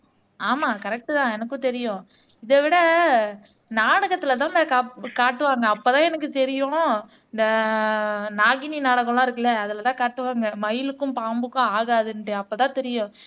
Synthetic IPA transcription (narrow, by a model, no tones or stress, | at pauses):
aːmaːkɐɾɛk̚ʈːɯt̪ãːɛnɐkːʊ̃t̪ɛɾɪjʊ̃ | ɪðɐʋɪɽɐ | naːɽɐɣɐt̪ːɯlɐt̪ãːɪnd̪ɐkaːkaːʈːɯʋaːŋɡɐːpːoːt̪ãːɛnɐk̬ːɯt̪ɛɾɪjʊ̃ | ɪnd̪ɐ | naːɣɪninaːɽɐɣɐɭãːɪɾɯkːɯlɛɐðɯlɐt̪ãːkaːʈːɯʋaːŋɡɐmɐjɪlɯkːʊ̃mpaːmbɯkːʊ̃aːɣaːðɯnɖɯɐpːoːt̪ãːt̪ɛɾɪjʊ̃